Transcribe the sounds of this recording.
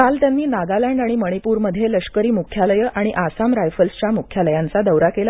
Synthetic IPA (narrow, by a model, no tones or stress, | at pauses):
kalt̪janːiːnaɡalaɳɖaɽ̃iməɽ̃ipuːɾməd̪ʱjeləʂkəɾiːmukʰjaləjəʔaɽ̃iʔasamɾajfəlst͡ɕjamukʰjaləjant͡sad̪əwɾakela